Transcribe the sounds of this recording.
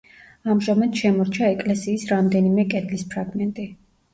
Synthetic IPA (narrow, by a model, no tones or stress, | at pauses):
amʒamad̪̥ʃɛmɔɾt͡ʃʰaɛkʼlɛsiːsɾamd̪ɛnimɛkʼɛd̪lispʰɾaɡmɛnt̪ʼi